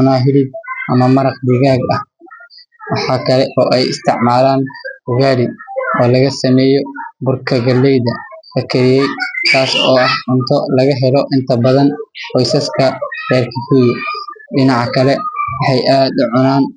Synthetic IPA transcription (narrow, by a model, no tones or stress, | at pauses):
ʊnaːɦɪlɪb̚ʔɐmɐmɐɾɑqd̪ɪɣaːɡɐh | wɑħɑːkʰɐlɛʔɔːʔɛjɪst̪ʰɪʕmaːlaːnhʊɣaːɾɪɔːlɐɣɐsɐmɛːjɔbʊrkʰɐɡɐlːɛjðɐlɐkʰɐɾɪjɛjt̪ʰaːsɔːɐhʕʊnt̪ʰɔlɐɣɐɦɛlɔʔɪnt̪ʰɐbɐðɐnqɔjsɐskʰɐr̥ɛːrkʰɐkuːjɖɪnɑʕɑkʰɐlɛwɑħɑjʔaːd̪ʊʕʊnaːn